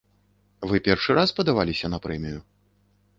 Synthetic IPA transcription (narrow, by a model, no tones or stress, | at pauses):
vɨpʲɛrʂɨɾʔaspɐd̪avalʲisʲɐnɐpɾɛmʲiju